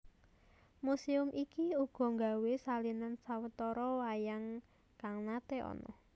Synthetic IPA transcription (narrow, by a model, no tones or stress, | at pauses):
musiʊmʔikiuɡ̥ɔ̤ŋɡa̤wesalinansawət̪ɔɾɔwajaŋ | kaŋnat̪eʔɔ̰nɔ̰